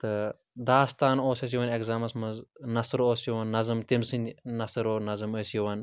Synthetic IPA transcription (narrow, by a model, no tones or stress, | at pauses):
t̪ɨ | d̪aːst̪aːnoːsɐs̬jiʋɐnekzaːmɐsmɐznɐsɨɾoːsjuʋɐnːɐzɨmt̪imsɨnʲnɐsɨɾoːnɐzɨməːsjuʋɐn